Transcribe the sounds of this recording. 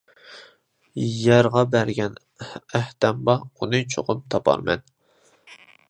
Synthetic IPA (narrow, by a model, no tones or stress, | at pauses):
jɛɾʁɑbæɾɡʲɛn | æht̪ɛmbɑunɨt͡ʃʰo̰qʊpt̪ʰɑpʰɑ̰ɾmɛ̰n